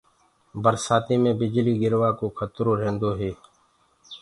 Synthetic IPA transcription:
bəɾsaːt̪iːmẽːbɪd͡ʒliːɡɪɾʋaːkoːkʰət̪ɾoːɾẽːnd̪oːɦeː

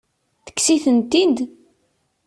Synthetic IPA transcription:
θə̥kːsiθənt̪id̪

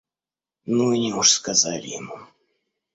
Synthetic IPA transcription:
nuinʲɪuʂskɐza̰lʲɪ̰jɪmu

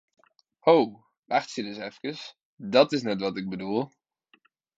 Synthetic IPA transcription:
how | ʔaχtsidɪsɛfkəs | dɑtɪsnɛtʋɑtɪɡ̚bədulˠ

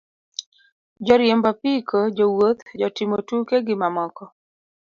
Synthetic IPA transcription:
d͡ʒɔɾjembapikod͡ʒowot̪d͡ʒɔtɪmotukeɡɪmamɔkɔ

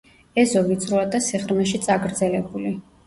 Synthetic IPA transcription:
ɛzɔvit̪sʼɾuad̪asiχɾmɛʃit̪sʼaɡɾd̪zɛlɛbuli

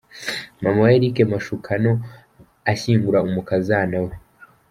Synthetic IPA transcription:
mamajeɾikemaʃukʰano | aɕiːŋɡuɾaumukazanawe

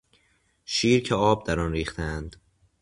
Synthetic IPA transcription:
ʃiːɾcʰeɒːb̚d̪æɾɒnɾiːχt̪ʰeænd̪̥

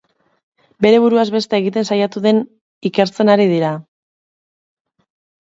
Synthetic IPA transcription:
be̞ɾe̞β̞uɾuazβe̞st̪eeɣit̪e̞nsajat̪uðe̞n | ike̞ɾt͡se̞naɾiðiɾa

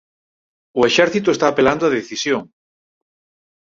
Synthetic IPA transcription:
ʊeʃɛɾθit̪oest̪aːpeland̪oaðeθisjoŋ

